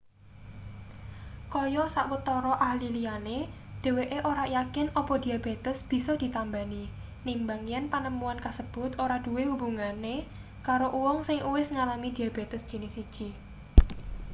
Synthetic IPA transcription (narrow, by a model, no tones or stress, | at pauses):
kɔjɔsaʔwət̪ɔɾɔʔahlilijane | d̪̥e̤weʔeʔoɾajakɪnɔpɔd̥iabe̤t̪əsb̥i̤sɔd̪̥i̤t̪ambani | nimbaŋijanpanəmuankasəb̥ʊ̤t̪oɾad̥uwehubuŋane | kaɾoʔuwɔŋsɪŋuwɪsŋalamid̪̥iab̥et̪əsd̥ʒ̥ə̤nɪsid̥ʒ̥i